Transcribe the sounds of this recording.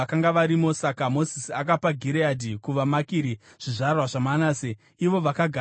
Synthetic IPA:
akaŋɡaʋaɾimo̞sakamo̞zisiak̬apaɡʱiɾeadʱikuʋamakiːɾi | ʐ̥iʐarwaʐamanase | iʋo̞ʋakaɡʱa

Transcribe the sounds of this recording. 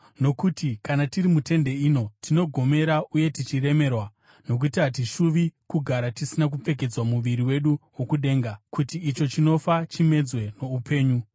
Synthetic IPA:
no̞kutikanatiɾimute̞nde̞ino̞tʰino̞ɡʱo̞me̞ɾaʔuje̞tit͡ʃire̞me̞rwa | no̞k̬utiɦat̬iʃuʋikuɡʱaɾatisinak̬upp͡fe̞k̬e̞d͡zwamuʋiɾiwe̞ɗuwo̞kuɗe̞ːŋɡakutiːt͡ʃo̞t͡ʃino̞fat͡ʃime̞d͡zwe̞no̞upe̞ːɲu

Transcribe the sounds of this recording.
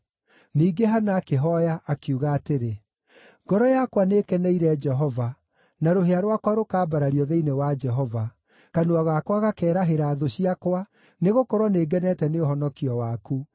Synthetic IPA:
niːɡeɦanaːkeɦɔjaʔːkjuɣaːteɾe | ŋɡɔɾɔjakwaneːkɛnɛiɾɛd͡ʒɛɦɔva | naɾoɦeaɾwakwaɾokaːbaɾaɾiɔðɛinewad͡ʒɛɦɔva | kanoaɣakwaɣakɛːɾaɦeɾaːðoɕiakwa | neɣokɔɾwɔneːɡɛnɛtɛneoɦɔnɔkiɔwaku

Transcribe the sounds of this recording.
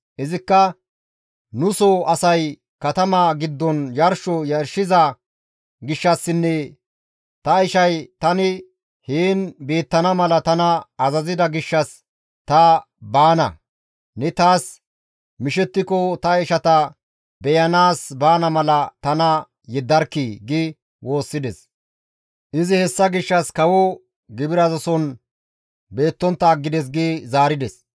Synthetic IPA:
ʔɪzɪkːɐ | nʊsɔʔɐsɐj | kɐt̪ɐmaːɡɪd̪ːɔnjɐɾʃɔjɐɾʃɪzɐ | ɡɪʃːɐsːɪnːɛ | t̪ɐɪʃɐjt̪ɐnɪ | heːnbe̞ːt̪ːɐnɐmɐlɐt̪ɐnɐɐzɐzɪd̪ɐɡɪʃːɐs | t̪ɐ | baːnɐ̰ | nɛt̪aːs | mɪʃɛt̪ːɪkɔt̪ɐɛʃɐt̪ɐ | bɛjɐnaːsbaːnɐmɐlɐt̪ɐnɐ | jɛd̪ːɐɾkːiːɡɪ | wo̞ːsːɪd̪ɛs | ʔɪzɪhɛsːɐɡɪʃːɐskɐwɔ | ɡɪbɪɾɐzɐsɔn | be̞ːt̪ːɔnt̪ːɐːɡːɪd̪ɛs̬ɡiːzaːɾɪd̪ɛs

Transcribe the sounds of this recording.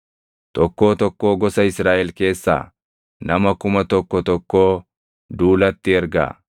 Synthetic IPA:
t̪ɔkːo̞ːt̪ɔkːo̞ːɡɔsɐɪsɾaːʔɛlke̞ːsːa̰ː | nɐmɐkʊmɐt̪ɔkːɔt̪ɔkːoː | d̪uːlɐt̪ːɪɛɾɡa̰ː

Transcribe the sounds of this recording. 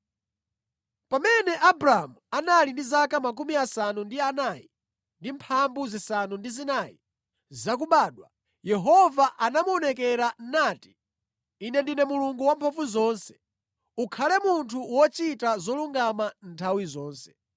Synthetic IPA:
pamɛnɛʔabɾaamuanalindizakamak̬umiasanundianaːji | ndimpʰambuzisanundizinaːjḭ | zak̬uɓaːɗwa | jɛɦɔvaʔanamuɔnɛkɛɾanaːti̥ː | nɛndinɛmuluŋɡuwampʰɔfuzɔːnsɛ̥ | ukʰalɛmuntʰuwɔt͡ʃitazɔluŋɡamantʰawizɔːnsɛ̥

